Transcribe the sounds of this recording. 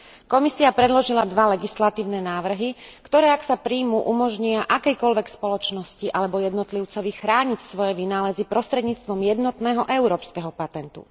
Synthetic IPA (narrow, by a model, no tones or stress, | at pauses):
kɔmisiapɾɛd̪lɔʒilad̪ʋalɛɡislat̪iːʊnɛnaːʋr̩ɦikt̪ɔɾɛːaksapɾiːmuʔumɔʒɲiaʔakɛjkɔlʋɛkspɔlɔt͡ʃnɔsciʔalɛbɔjɛd̪nɔt̪liʊt͡sɔʋixɾaːɲicsʋɔjɛʋinaːlɛzipɾɔst̪ɾɛd̪ɲiːt͡st̪ʋɔmjɛd̪nɔt̪nɛːɦɔʔɛʊɾɔːpskɛɦɔpat̪ɛnt̪ṵ